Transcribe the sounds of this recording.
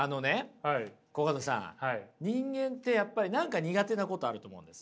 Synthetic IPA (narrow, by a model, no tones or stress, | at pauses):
ano̞ne̞haiko̞ɡad̪osã̰haiɲ̟ĩŋɡẽ̞nt̪e̞japːaɾʲinãŋkaɲ̟iɡat̪e̞nako̞t̪o̞aɾɯo̞ːmoɯ̟̰̃nd̪e̞sɨ̥